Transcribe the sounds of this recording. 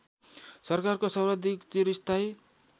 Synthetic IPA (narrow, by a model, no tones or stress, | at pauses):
sʌrkarkosʌwɾʌd̪ʱikt͡siɾist̪ʰaj